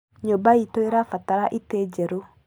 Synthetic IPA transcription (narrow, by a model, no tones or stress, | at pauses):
ɲobaitoeɾafataɾaʔiteːd͡ʒɛɾo